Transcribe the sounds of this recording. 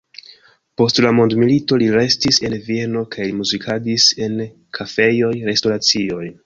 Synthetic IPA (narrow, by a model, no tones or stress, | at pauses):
po̞stlamo̞ndmilito̞liɾe̞stise̞nvie̞no̞kajlimuzikʰadise̞n | kʰafe̞jo̞jɾe̞sto̞ɾat͡sio̞j